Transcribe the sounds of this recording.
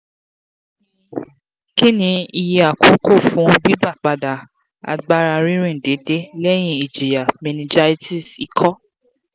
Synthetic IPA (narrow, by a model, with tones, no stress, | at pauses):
ki˦nĩ˧i˧je˧a˨ko˨˦kʰo˦˨fũ˨˦bi˦ba˦˨k͡pa˧da˨ | a̰˧ɡ͡ba˦ɾa˧ɾĩ˦ɾ̃ĩ˦˨de˨˦de˦lɛ˦j̃ĩ˦˨i˨d͡ʒe˨ja˨mɛ̃˧nĩ˨˧d͡ʒa˦˧i˦ti˦˨si˨kʰɔ˦